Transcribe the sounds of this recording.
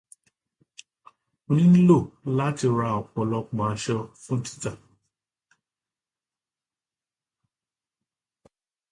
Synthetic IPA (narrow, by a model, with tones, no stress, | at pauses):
o˦nĩ˦n̩˦lo˦˨˦la˦ti˧ɾa˧˦ɔ˨k͡pɔ˨lɔ˧k͡pã˨a˨ʃɔ˧fũ˦n̩˦ti̥˦ta˨